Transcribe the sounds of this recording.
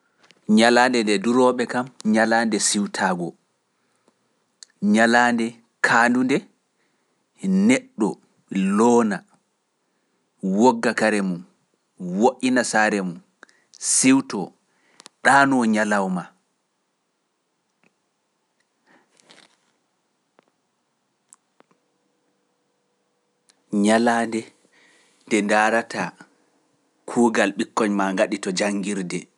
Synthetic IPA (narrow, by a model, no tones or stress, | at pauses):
ɲalaːndɛndɛduɾɔɓɛkamɲalaːndɛsiwtʰaːɡɔ | ɲalaːndɛ | kʰandundɛ | nɛɗːɔ | lɔːna | woɡːakaɾɛmun | woʔinasaɾɛmun | siwtɔ | ɗaːnɔɲalawma | ɲalaːndɛ | ndɛndaːɾata | kʰuːɡalɓikːɔɲmaŋɡaɗitɔd͡ʒaŋːɡiɾdɛ